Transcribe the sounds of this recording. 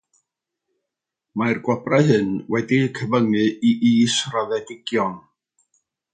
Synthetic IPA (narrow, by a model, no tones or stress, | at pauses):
marɡwabraɦɨnwɛdikʰəvəŋɨiʔiːsraðɛdɪɡ̥jɔn